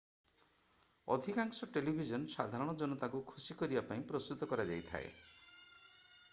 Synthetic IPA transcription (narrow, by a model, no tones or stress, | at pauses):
ɔ̰d̪ʱikaŋsɔʈelibʱid͡ʒɔnsad̪ʱaɾɔɽ̃ɔd͡ʒɔnɔt̪akukʰusikɔɾibapaĩpɾost̪ut̪ɔkɔɾad͡ʒajt̪ʰa̰ḛ